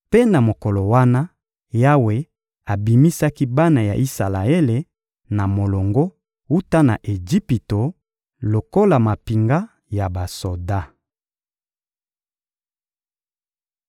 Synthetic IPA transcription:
pe˦na˨mo˨ko˨lo˨wa˦na˦ | ja˦we˨ | a˨bi˨mi˦sa˦ki˦ba˦na˨ja̰˨ʔi˦sa˨la˨e˦le˨ | na˨mo˨lo˨ŋɡo˦ | u˦ta˦na̰˨ʔe˨d͡ʒi˦pi˨to˨ | lo˨ko˦la˨ma˨pi˨ŋɡa˦ | ja˨ba˨so˨da˦

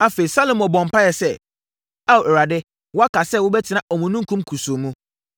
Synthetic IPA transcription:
a˦fe˨i˨sa˦lõ˨mɔ˨bɔ̃˨m˨pʰa˦jɛ˨sɛ˦ | a˦˨wɛ˨ɾa˨dɪ˦ | wʊ˦a˦kʰa˨sɛ˦˨wʊ˦bɛ˦tʰɪ˨nã˨ʔɔ˨mũ˨nũ˦ŋ̩˦kʰũ˦mkʰu˨so˨mũ˦

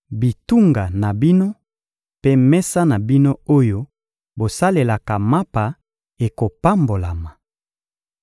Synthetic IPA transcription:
bi˨tu˦ŋɡa˨na˨bi˦no˦ | pe˦mɛ˦sa˦na˨bi˦no˦o˦jo˦ | bo˨sa˦le˨la˨ka˨ma˦pa˨ | e˨ko˨pa˦mbo˨la˨ma˨

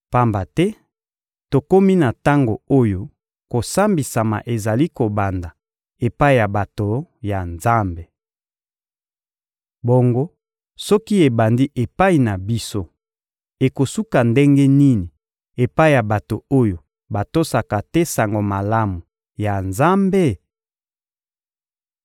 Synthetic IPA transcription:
pa˦mba˨tɛ˦ | to˨ko˦mi˦na˨ta˦ŋɡo˨o˦jo˦ | ko˨sa˦mbi˨sa˨ma̰˨ʔe˨za˨li˦ko˨ba˨nda˨ | e˨pa˦i˨ja˨ba˨to˨ja˨nza˦mbe˨ | bo˨ŋɡo˦ | sɔ˦ki˦e˨ba˨ndi˦ʔe˨pa˦i˨na˨bi˦so˦ | e˨ko˨su˦ka˨nde˦ŋɡe˦ni˦ni˨ | e˨pa˦i˦˨ja˨ba˨to˨o˦jo˨ | ba˨to˦sa˨ka˨tɛ˦sa˨ŋɡo˨ma˨la˦mu˨ | ja˨nza˦mbe˦

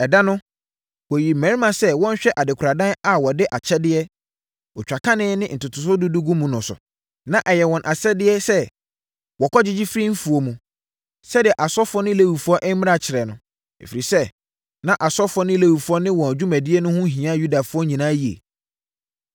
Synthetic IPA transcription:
ɛ˨da˦nʊ̃˦ | wɔ˨ji˨m̩˨mæ̃˨˦ɾi˦mã˨sɛ˦wɔ̃˦n˦ɕᶣɛ˦ʔa˨dɪ˨kʰɾa˨dã˦na˨wɔ˨dɪ˦ʔa˨t͡ɕʰɛ˦dɪ˦ɛ˦ | ɔ˨t͡ɕᶣa˨kʰã˦nɪ̃˦nɪ̃˦n̩˨tʰʊ˨tʰʊ˨sʊ˦du˦du˦ɡũ˦mũ˨nʊ̃˨sʊ̰˨ | nã˨ʔɛ˨jɛ˨wɔ̃˨nʔa˨sɛ˦dɪ˦ɛ˦sɛ˦ | wɔ˨kʰɔ˦d͡ʑɪ˦d͡ʑɪ˦fɾi˦m̩˦fu˨o˨mũ˨ | sɛ˦dɪ˨ɛ˨ʔa˨sɔ˦fʊ˦ɔ˦nɪ̃˦le˦wu˨fu˦ɔ˦ʔɛ˦m̩˦mɪ̃˦a˨t͡ɕʰɪ˨ɾɛ˨nʊ̃˨ | ḛ˨fi˨ɾi˨sɛ˦ | nã˦ʔa˨sɔ˦fɔ˦nɪ̃˦le˦wu˨fu˨˦ɔ˦nɪ̃˦wɔ̃˨d͡ʑᶣu˦mæ̃˨dɪ˦ɛ˦nʊ̃˦hʊ̃˦ɦĩ˨ã˦ju˦da˨fʊ˦ɔ˦ɲĩ˨nãː˦ji˨ḛ˨

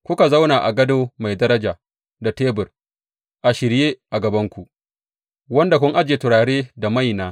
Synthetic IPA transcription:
kʷʊ˦ka˨za˦wnaː˨ʔa˨ɡɐ˦doː˦ma˨jdɐ˦ɾɐ˦d͡ʒaː˨ | da˨teː˦bʊ˨r | ʔa˨ʃɪ˨ɾjeː˦ʔa˨ɡɐ˨bɐ˦ŋkʷu˨ʔ | wɐ˦nda˨k̬ʷʊ˦ŋʔa˦d͡ʒeː˨tʊ˨ɾaː˨ɽeː˦da˨ma˦˨jnaː˦

